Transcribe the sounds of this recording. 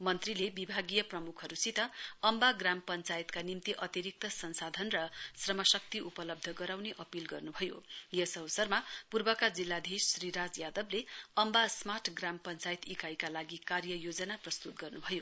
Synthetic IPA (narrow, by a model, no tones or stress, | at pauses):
mʌnt̪rilebibʱaɡijʌprʌmukʰɦʌɾusit̪ʌʌmbaɡrampʌnt͡sajit̪kanimt̪iʔʌt̪iɾik̚t̪ʌsʌnsad̪ʱʌnrʌsrʌmʌsʌk̚t̪iʔupʌlʌb̚d̪ʱʌɡʌɾawneʔʌpilɡʌrnubʱʌjojʌsʌwʌsʌrmapurbʌkad͡zilːad̪ʱisriɾad͡zjad̪ʌbleʌmbasmaʈʰɡrampʌnt͡sajit̪ikajkalaɡikarjʌjod͡zʌnaprʌst̪ut̪̚ɡʌrnubʱʌjo